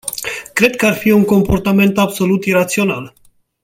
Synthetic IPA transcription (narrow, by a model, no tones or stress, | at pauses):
kɾe̞d̪̚kəarfiuŋko̞mpo̞rt̪ame̞nt̪abso̞lut̪iɾat̪sio̞nal